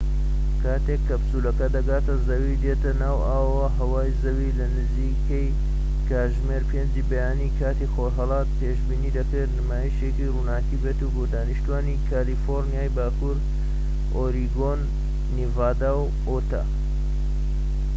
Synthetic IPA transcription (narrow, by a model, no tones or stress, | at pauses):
kʰaːt̪ekːɐbsuːlɐkɐd̪ɐɡaːt̪ɐzɐwid̪et̪ɐnaːwaːwɐwɐɦɐwaːjzɐwilɐnɨziːkɐj | kaːʒmeːɾpʰeːnd͡ʒibɐjaːnikʰaːt̪ixoːɾɦɐlˠɑːt̪̚peːʃbiːniːd̪ɐkɨɾnɨmaːjiʃekiruːnaːkibet̪uboːd̪aːniʃt̪uaːnikʰaːlifoɾnijaːjbaːkuɾ | oːɾiɡonː | ivaːd̪aw | ot̪ɐ̰